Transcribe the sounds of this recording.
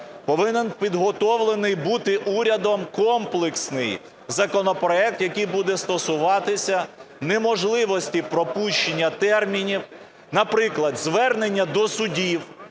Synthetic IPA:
pɔʋɪnenpʲid̪ɦɔt̪ɔwlˠenɪjbut̪ɪʔuɾʲɐd̪ɔmkɔmplˠeksnɪj | zɐkɔnɔpɾɔɛk̚t̪jɐkɪjbud̪ɛst̪ɔsʊʋɑt̪ɪsʲɐnemɔʒlˠɪʋɔsʲtʲipɾɔpuʃt͡ʃenʲːɐt̪ɛrmʲinʲiw | nɐpɾɪklˠɐd̪zʋɛrne̞nʲːɐd̪ɔsʊdʲiw

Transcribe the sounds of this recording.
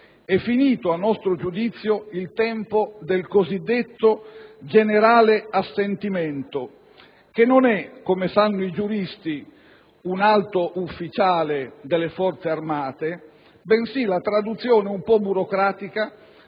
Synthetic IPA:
ɛfːiniːt̪oanːɔst̪ɾod͡ʒud̪it̪sːjoilt̪ɛmpod̪elkozid̪ːet̪ːod͡ʒeneɾaːleasːent̪iment̪o | k̟enːonɛkːomesanːoid͡ʒuɾist̪i | unalt̪oʔufːit͡ʃaːled̪elːefɔrt̪searmaːt̪e | bensilat̪ɾad̪ut̪sːjoːneumpɔbuɾokɾaːt̪ika

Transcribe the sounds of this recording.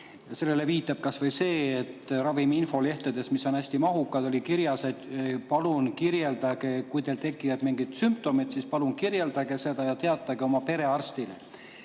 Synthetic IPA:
jɑse̞lːe̞le̞viːt̪ːˑɑb̥̚kɑsvɤjse̞ːt̪ːrɑviminfo̞le̞ht̪ed̪̥e̞smiso̞næsʲt̪imɑɦukːˑɑd̪o̞lʲikiɾjɑse̞d̪̥pɑlunkiɾje̞ld̪̥ɑɡe̞kujt̪e̞lt̪e̞kːˑijɑd̪̥miŋɡit̪sympt̪o̞mid̪sispɑlunkiɾje̞ld̪̥ɑɡe̞sed̪̥ɑjɑt̪e̞ɑt̪ːˑɑɡeo̞mɑpe̞ɾe̞ɑrst̪ile

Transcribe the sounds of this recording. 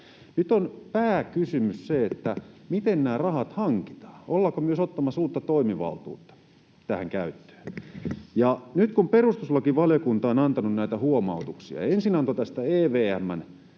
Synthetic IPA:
nyt̪onpæːkysymysseet̪ːæmit̪ennæːrɑhɑt̪hɑŋki̥t̪ɑ̥ːolːɑkomyøsot̪ːɑmːɑsuːrt̪ːɑt̪oimiʋɑ̰lt̪ṵːt̪ːɑ̥ | t̪æhæŋkæyt̪ːø̥ː | jɑnyt̪kumperust̪uslɑkiʋɑljokunt̪ɑonɑnt̪ɑnunnæit̪æhuomɑ̰ut̪uksiɑ̰ensinɑnt̪ot̪æst̪æeːʋeːæmːæn

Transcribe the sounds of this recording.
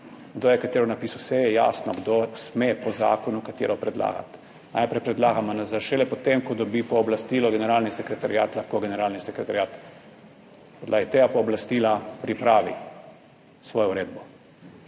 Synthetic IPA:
ɡd̪oːjɛkat̪eːɾɔnapiːsawsɛjɛja̰ːsnɔɡd̪osmepɔza̰ːkɔnukat̪ḛɾɔpɾɛd̪la̰ːɡa̰t̪ | na̰jpɾɛjpɾɛd̪laːɡamɔnazaʃɛlɛpɔt̪emkɔd̪ɔbipɔːblast̪iːlɔɡɛnɛɾaːlnisɛkɾɛt̪aɾja̰ːt̪laxkoɡɛnɛɾaːlnisɛkɾɛt̪aɾjaːt̪ | pɔd̪laːɡit̪eɡapɔːblast̪ilapɾipɾaːʋḭ | sʋoːjɔuɾeːd̪̚bɔ

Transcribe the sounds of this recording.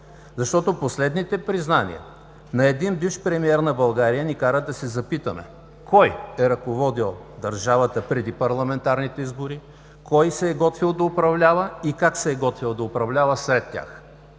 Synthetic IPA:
zɐʃt̪ɔt̪oposlɛd̪nit̪ɛpɾiznanḭə̰ | nɐɛd̪inbifʃpɾɛmiɛɾnɐbɐlˠɡaɾijənikaɾəd̪ɐsɛzɐpit̪əmɛ̰ | kɔjɛɾɐkovɔd̪ilˠd̪ɐɾʒavət̪əpɾɛd̪ipɐɾlˠɐmɛnt̪aɾnit̪ɛizboɾi | kɔjsɛːɡɔt̪vilˠd̪ɐʊpɾɐvlʲavəikaksɛːɡɔt̪vilˠd̪ɐʊpɾɐvlʲavəsɾɛt̪ːʲa̰x

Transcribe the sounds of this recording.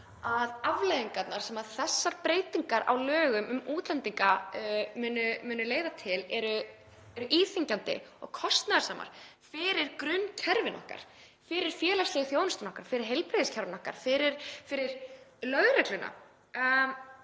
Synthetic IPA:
aðavlejðiŋkat̪naɾ̥sɛmaðθɛsːaɾpɾeːjt̪iŋkaɾa̰wlœːɣʏmʏmuːt̪lɛnt̪iŋkamʏːnʏmʏːnʏleːjðat̪ʰɪlɛɾʏ | ɛɾʏʔiːθiɲcant̪ɪ̰ɔ̰ɣkʰɔst̪naðaɾsaːma̰ɾ̥ | fɪɾɪɾ̥kɾʏnːcʰɛɾvɪnɔ̰hka̰ɾ̥ | fɪɾɪɾ̥fjɛːlast̪lɛɣɪθjoːwnʏst̪anɔhkaɾ̥fɪɾɪɾ̥ɦejlpɾejðɪscʰɛɾvɪnɔhka̰ɾ̥fɪɾɪɾ̥fɪɾɪɾ̥lœɣɾɛklʏnʔa̰

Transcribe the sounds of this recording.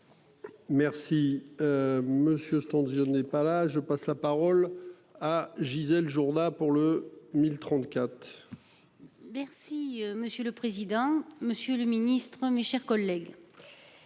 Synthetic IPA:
mɛʁsi | məsjøst̪ɑ̃d̪jɔnɛpalaʒəpaslapaʁɔl | aʒizɛlʒuʁd̪apuʁləmilt̪χɑ̃t̪kʲat̪χ | mɛʁsiməsjələpχezid̪ɑ̃məsjøləminist̪χəmeʃɛʁkɔlːɛɡ

